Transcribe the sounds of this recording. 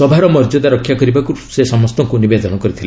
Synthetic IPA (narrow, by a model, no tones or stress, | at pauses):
ɔbʱaɾɔmɔɾd͡ʒɔd̪aɾɔkʰːjakɔɾibakusesɔmɔst̪ɔŋkunibed̪ɔnɔkɔɾit̪ʰile